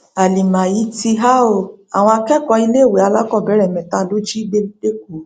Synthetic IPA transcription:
a˨li˨mã˨ji˨˦ti˧ɦa˦o˧˨a̰˨w̃ɔ̃˧a˧kɛ˦˨kɔ˧i˧le˦˨we˨˦a˧la˦kɔ˦˨bɛ˨˦ɾɛ˦˨mɛ̃˨tã˨˦˨lo˦d͡ʒi˦ɡ͡be˦ɡ͡be˦k̚o˨˦

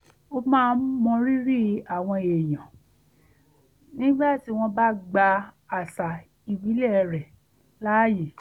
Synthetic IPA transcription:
o˧mãː˦˧˦mɔ̃˧ɾi˦ɾi˦a˦˨w̃ɔ̃˧e˨j̃ã˨ | nĩ˦ɡ͡ba˦˨ti˦w̃ɔ̃˧ba˦ɡ͡ba˧ | a˨sa˨ | i˨bi˨˦lɛ˦˨˧ɾɛ˨ | la˦ji˨

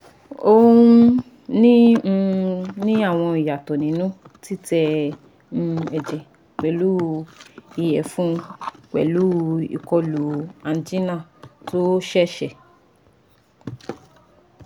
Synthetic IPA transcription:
o˧ũ˦ | nĩ˦˧ | nĩ˦a˦˨w̃ɔ̃˧i˨ja˨tɔ˨nĩ˨˦nũ˦ | ti˦tɛ̃˧ | ɛ˨d͡ʒɛ˨ | k͡pɛ˨lu˦ | i˨jɛ˨fũ˦k͡pɛ̰˨lu˨˦ḭ˨kɔ˧lu˨˦a˨n˨d͡ʒi˦nã˦˨to˦ʃɛ˦ʃɛ˨

